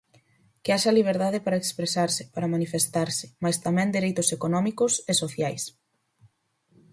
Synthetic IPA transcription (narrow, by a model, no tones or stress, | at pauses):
kɪaʃɐliβ̞eɾðaðɪpaɾɐekspɾesaɾsɪ̥paɾɐmanifest̪aɾsɪ̥majst̪amɛ̃nd̪iɾejt̪ʊsekonɔmikʊsesoθjajs